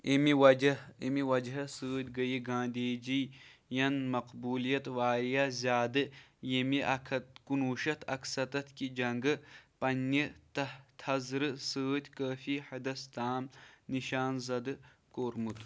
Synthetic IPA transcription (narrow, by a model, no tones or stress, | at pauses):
imiwɐd͡ʒɐimiwɐd͡ʒɦɐsɨːt̪ʲɡɐjiɡãːnd̪eːd͡ʒijɐnmɐqbuːlijɐt̪ʋaːɾijazʲaːd̪ɨjemiʔɐkʰɐt̪kunuːʃɐt̪ʰɐ̰ksɐt̪ɐt̪kid͡ʒɐŋɡɨpɐnːit̪ɐt̪ʰɐzɾɨsɨːt̪ʲkəːfihɐd̪ɐst̪aːmniʃaːnzɐd̪ɨkoːɾmut̪